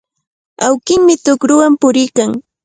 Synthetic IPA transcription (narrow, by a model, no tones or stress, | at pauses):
awkɪŋmɪt̪ʊkɾʊwampʊɾɪjkaŋ